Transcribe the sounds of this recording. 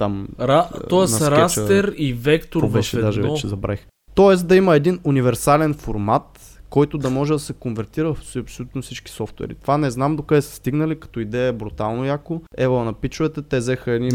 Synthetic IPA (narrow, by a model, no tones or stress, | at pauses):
t̪amɾat̪ɔɛnsɾkɛst̪ɛɾivɛkt̪oɾvɛʃɛɛd̪aʒɛvɛt͡ʃɛzɐbɾa̰x | t̪ɔɛsd̪ɐiməɛd̪inunivɛɾsalɛnfoɾmat̪̚ | kɔjt̪ʊd̪ɐmɔʒɛd̪ɐsɛkonvɛɾt̪iɾəvɐfsɐpsolʲut̪nofsit͡ʃki̥sɔft̪wɛ̰ɾḭt̪ovanɛznamd̪okaɛsə̥st̪iɡnɐlikɐ̥t̪ɔid̪ɛjəɛbɾut̪alˠnojakoɛvəɐnɐpit͡ʃʊvɛt̪ɛt̪ɛzɛxəɛd̪ni